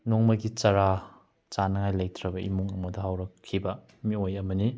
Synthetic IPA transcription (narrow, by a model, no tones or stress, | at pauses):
noŋmɐɡit͡ʃɐɾa | t͡ʃanɐŋajlɐjtɾɐbɐimuŋɐmɐdɐɦawɾɐkʰːibɐ | miojɐmɐni